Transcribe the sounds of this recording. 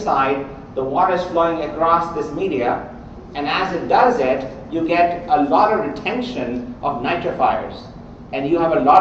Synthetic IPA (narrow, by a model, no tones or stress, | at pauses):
saɪɖ | d̪əwɔɾəz̥floːɪ̃ŋəkɾɔsd̪ɪsmiːɾiə | ɛ̃næzɪʈ̚ɖʌzɪʈ | juɡɛʈəlɔɾɔʋɾɪʈʰɛ̃nʃə̃nʔɔʋnaɪt͡ʃəfaɪə̰ɾz | ɛ̃njuæʋəlɔɾ